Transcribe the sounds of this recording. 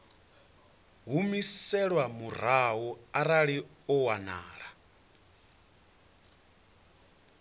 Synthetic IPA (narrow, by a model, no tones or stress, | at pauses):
ɦumisɛɺwamur̤aɦɔaɾaɺiɔwana̰ːɺa